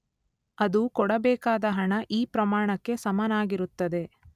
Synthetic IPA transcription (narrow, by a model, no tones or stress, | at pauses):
ɐd̪ukɔɽɐbɛːkaːd̪ɐɦɐɳɐʔiːpɾɐmaːɳɐkːe̞sɐmɐnaːɡiɾut̪ːɐd̪e̞